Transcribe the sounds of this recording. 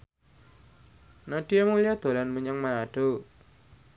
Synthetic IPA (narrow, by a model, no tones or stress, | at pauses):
naɖ̥ijamulijad̪̥o̤lanməɲəŋmaɾaɖ̥o